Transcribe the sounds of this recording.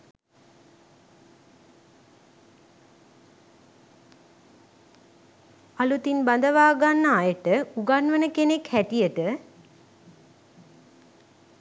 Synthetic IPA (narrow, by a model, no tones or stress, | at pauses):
alut̪inband̪əʋaːɡanːəajəʈəuɡanʋənəkenekhæʈijəʈə